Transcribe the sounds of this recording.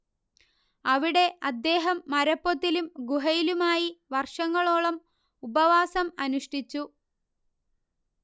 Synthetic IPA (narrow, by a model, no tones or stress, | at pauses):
ɐʋiɽe̞ɐd̪ːe̞ːɦɐmːɐɾɐpːot̪ːilumɡuɦɐjilumaːjiʋɐrʂɐŋːɐɭoːɭɐm | ubɐʋaːsɐmɐnuʂʈit͡ɕːu